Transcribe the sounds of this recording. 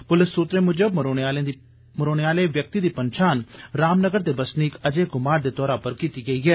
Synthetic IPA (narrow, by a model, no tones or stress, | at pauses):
pʊlɪsːuːt̪ɾeːmʊd͡ʒəbɾoːaːlẽi | mʊɾoːɽ̃eaːleːʋjək̚t̪iːd̪iːpənt͡ʃaːnɾaːmnəɡəɾd̪eːbəsniːkəd͡ʒeːɡʊmaːɾd̪eːt̪ɔːɾaːpəɾkiːt̪iːɡəiːɦɛː